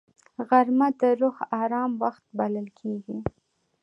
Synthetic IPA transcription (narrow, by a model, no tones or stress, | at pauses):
ɣaɾmad̪əɾʊxɑɾɑmwaxt̪̚baləlkʰeɡi